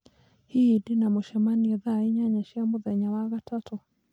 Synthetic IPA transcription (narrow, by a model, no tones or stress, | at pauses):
hiːdinamuʃɛmaniɛðaiɲaɲaʃiamuðɛɲawaɣatʰatʰo